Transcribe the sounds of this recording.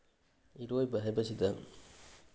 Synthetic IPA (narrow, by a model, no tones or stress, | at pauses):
iɾoːjbɐɦɐbɐsid̪ɐ